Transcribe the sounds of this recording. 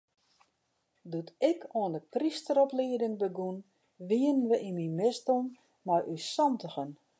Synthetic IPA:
dutɪkʰoəndəpristəɾɔpliədɪŋbəɡun | ʋiənənʋəʔinmimɪsdon | majʔysɔmtəxən

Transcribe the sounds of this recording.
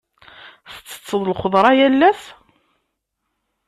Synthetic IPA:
θə̥t͡sːə̥t͡sːəðˤlχoðˤɾˤɑjælːæs

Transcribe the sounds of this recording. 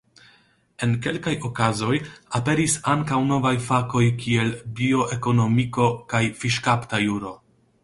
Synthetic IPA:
e̞nke̞lkajo̞kazo̞jape̞ɾisaŋkawno̞vajfako̞jkie̞lbio̞ʔe̞ko̞no̞miko̞kajfiʃkaptajuɾo̞

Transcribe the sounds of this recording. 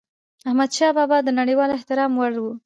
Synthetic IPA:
ahmad̪ʃɑbɑbɑd̪ənaɽəjwɑlɪht̪ɪɾɑmwaɽwu

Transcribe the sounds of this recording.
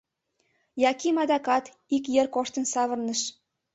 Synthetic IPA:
jɑkimɑd̪ɑkɑt̪ | ikjerkoʃt̪ə̆nsɑβə̆rnə̆ʃ

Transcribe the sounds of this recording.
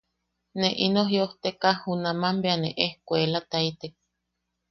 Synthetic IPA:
neʔinoɦjoht̪ekahhunamambeaneʔehkʷoelat̪ait̪ek̚

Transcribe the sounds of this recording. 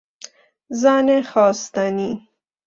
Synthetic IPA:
zɑnexɑːst̪ani

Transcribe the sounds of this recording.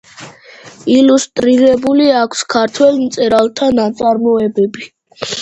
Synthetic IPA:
ilust̪ʼɾiɾɛbuliakʰskʰaɾt̪ʰwɛlˠmt̪sʼɛɾalˠt̪ʰanat̪sʼaɾmɔɛbɛbi

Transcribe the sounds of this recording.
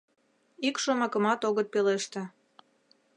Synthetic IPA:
ikʃomɑkə̆mɑt̪oɣət̪̚peleʃt̪ĕ

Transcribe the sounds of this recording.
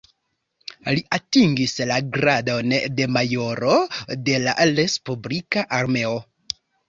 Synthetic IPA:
liʔatiŋɡislaɡɾadonde̞majo̞ɾo̞de̞la̰ɾe̞spublikaʔaɾme̞o

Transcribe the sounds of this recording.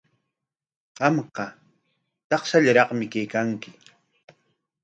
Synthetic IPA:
qɑmqɑ | t̪ɑχsaʎaɾɑqmɪkajkaŋkɪ

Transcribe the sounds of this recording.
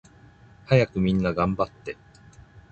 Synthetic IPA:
hajakɯ̟mʲĩnːaɡãmbat̪ːe̞

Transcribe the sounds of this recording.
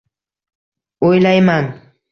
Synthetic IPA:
ʊjlajmaŋ

